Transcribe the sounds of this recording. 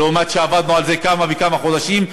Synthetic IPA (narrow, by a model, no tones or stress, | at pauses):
umat̪ʃeavad̪nualze̞kamavekamaχo̞d̪aʃim